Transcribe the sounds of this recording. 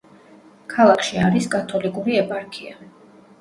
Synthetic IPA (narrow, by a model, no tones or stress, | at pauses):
kʰalˠakʰʃiaɾiskʼat̪ʰɔlikʼuɾiɛpʼaɾkʰia